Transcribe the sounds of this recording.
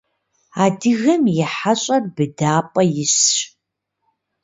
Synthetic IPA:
aːdɨɣɐmjɪħaɕʼɐrbɨdaːpʼɐjɪɕɕ

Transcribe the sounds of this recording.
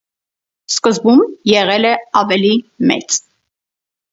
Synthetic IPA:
skəzbumjɛʁɛlɛɑvɛlimɛ̰t͡s

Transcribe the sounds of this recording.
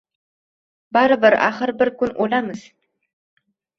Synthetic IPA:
baɾɨbɨɾa̰χəɾbɪɾkʊnʔolamɨz̥

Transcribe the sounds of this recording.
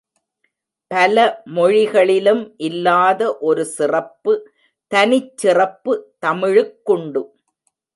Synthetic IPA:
pɐlɐmɔɻɪɣɐɭɪlɯmʔɪlːaːðɐʔɔɾɯsɪrɐpːɯ | t̪ɐnɪt͡ʃːɪrɐpːɯt̪ɐmɪɻɯkːɔɳɖɯ

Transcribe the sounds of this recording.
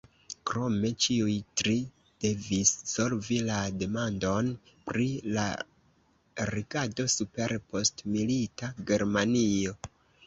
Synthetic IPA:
kɾo̞me̞t͡ʃiujtɾi | d̥e̞visːo̞ɾvilade̞mando̞n | pɾila̰ | ɾiɡado̞supe̞ɾpo̞stmilitaɡe̞ɾmanio̞

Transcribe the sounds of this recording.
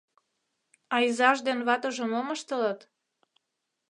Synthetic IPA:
ɑizɑʒd̪enβɑt̪oʒŏmoməʃt̪ələ̆t̪

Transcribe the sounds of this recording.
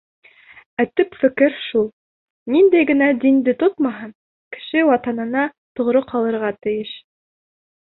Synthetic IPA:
æt̪ɘpfɘ̆kɘɾʃulˠ | nind̪æjɡɘ̆næd̪ind̪ɘt̪ot̪mɑɦɤn | kɘ̥̆ʃɘwɑt̪ɑnɤ̆nɑ | t̪ŏʁɾɤqɑlˠɤ̆ɾʁɑt̪ɘ̆jɘʃ

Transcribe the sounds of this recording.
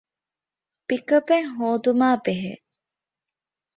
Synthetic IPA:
pikɐbeŋɦoːd̪umaːbeɦḛ

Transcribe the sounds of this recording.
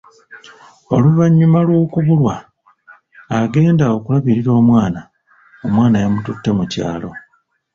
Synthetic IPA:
oluβaɲːumalwoːkuβulwa | ɡe̞ːndao̞kulaβiɾiɾo̞ːmwaːna | omwaːnajamututːemuca̰ːlo̞

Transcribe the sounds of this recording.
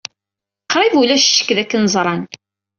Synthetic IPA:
qʰːɾˤivulæʃʃːə̥kːðækːənzˤɾˤɑn

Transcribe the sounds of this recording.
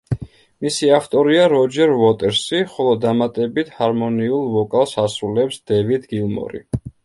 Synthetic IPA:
misiaft̪ʼɔɾiaɾɔd͡ʒɛɾvɔt̪ʼɛɾsiχɔlˠɔd̪amat̪ʼɛbit̪ʰhaɾmɔniulˠvɔkʼalˠsasɾulɛpsd̪ɛvid̪ɡilˠmɔ̰ɾḭ

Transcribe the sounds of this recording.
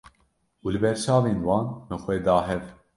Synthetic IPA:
uːlɨbɛɾt͡ʃɑːveːnwɑːnmɨxʷɛd̪ɑːɦɛv

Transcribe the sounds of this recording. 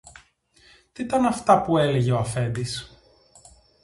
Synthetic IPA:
t̪it̪ɐnɐft̪ɐpueleʝeoɐfe̞nd̪is

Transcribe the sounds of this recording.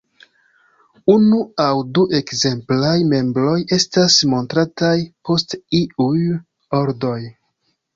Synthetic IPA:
unuawduʔe̞kze̞mplajme̞mbɾo̞je̞stasmo̞ntɾatajpo̞stiuj | o̞ɾdo̞j

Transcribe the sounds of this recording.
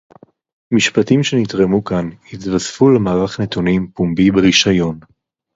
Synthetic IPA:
miʃpatimʃenitʁemukanhit̪vasfulemaːʁaχne̞t̪unimpumbibeʁiʃajo̞n

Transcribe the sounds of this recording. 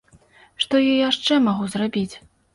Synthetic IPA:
ʂt̪ɔjɔjaʂt͡ʂɛmaɣuzrabʲit͡sʲ

